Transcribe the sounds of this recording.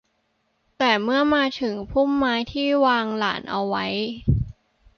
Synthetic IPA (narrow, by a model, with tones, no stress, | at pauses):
t̪ɛː˨˩mɯ˥˩ɐmaː˧t̪ʰɯ˩˦ŋpʰu˥˩mːaː˦˥jt̪ʰiː˥˩waː˧ŋla̰ː˩˦nʔa˧wːa˦˥j